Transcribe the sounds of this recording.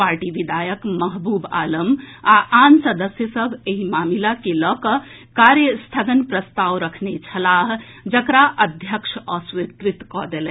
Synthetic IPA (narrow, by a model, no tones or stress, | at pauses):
paɾʈiʋid̪ʱajəkməɦbuba̰ləmaʔansəd̪əsjəsəbʱeɦimamilakelɔkəkaɾjəst̪ʰəɡ̪ənpɾəst̪aʋɾəkʰnet͡ʃʰəlaɦ | d͡ʒəkɾaʔəd̪ʱjəkʃʰəsʋit̪ɾit̪kɔd̪elɛ